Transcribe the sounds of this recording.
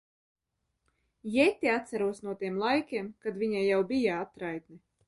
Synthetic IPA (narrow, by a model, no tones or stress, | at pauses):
jɛt̪ʲːiat̪saɾuɔsnuɔt̪iɛmlˠajkʲeɛmkad̪viɲajawbijaat̪ɾajt̪ni